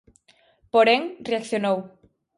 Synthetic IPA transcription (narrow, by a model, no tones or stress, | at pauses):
poɾeŋreakθjonow